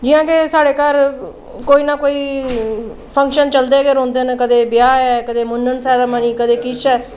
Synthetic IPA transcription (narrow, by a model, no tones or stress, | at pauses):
d͡ʒɪjãːkeːsaːɽeːkaːɾ | koːiːnaːkoːiː | pʰə̃ŋkʃənt͡ʃəld̪eːɡeːɾɔ̃ːnd̪eːnkəd̪eːbɪjaːɛːkəd̪eːmʊnːənsɛːd̪aːmaniːkəd̪eːkɪt͡ʃɛː